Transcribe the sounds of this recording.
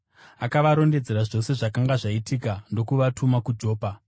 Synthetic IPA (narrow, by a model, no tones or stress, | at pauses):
akaʋaɾo̞nde̞d͡ze̞ɾaʐo̞se̞ʐakaŋɡaʐaitiːkando̞kuʋatʰumakud͡ʒo̞ːpa